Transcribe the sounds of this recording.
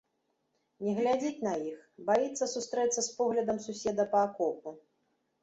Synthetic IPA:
nʲɛɣlʲad͡zʲit͡sʲnɐjixbajit̪sːɐsust̪ɾɛt̪sːɐspɔɣlʲɐd̪ɐmsusʲɛd̪ɐpɐːkɔp̚u

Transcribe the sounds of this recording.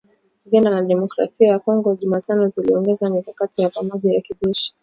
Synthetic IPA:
iʄanalaɗɛmɔkɾa̰siajakɔŋɡɔʄumatanɔziliɔŋɡɛzamikakatijapamɔʄajakiʄɛʃi̥

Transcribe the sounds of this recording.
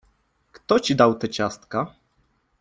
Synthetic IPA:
kt̪ɔt͡ɕid̪awt̪ɛt͡ɕast̪ka

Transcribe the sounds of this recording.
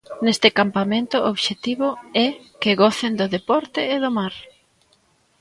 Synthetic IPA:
nest̪ɪkampamẽnt̪ʊoβʃet̪iβʊɛ | kɪɣɔθend̪ʊðepɔɾt̪ɪːðʊmaɾ

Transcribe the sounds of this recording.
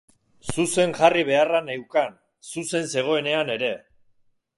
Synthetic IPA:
suse̞ŋʝariβ̞e̞aranewkan | suse̞nse̞ɣ̞o̞e̞ne̞ane̞ɾe̞

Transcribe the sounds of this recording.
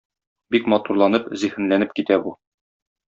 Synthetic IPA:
bikmɒt̪uɾlˠɑnɤpzihɘ̆nlænɘp̚kit̪æbu

